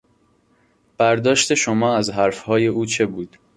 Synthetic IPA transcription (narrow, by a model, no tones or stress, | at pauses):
b̥æɾd̪ɒːʃt̪e̞ʃomɒːæzɦæɾfhɒːje̞uːt͡ʃʰe̞buːd̪̥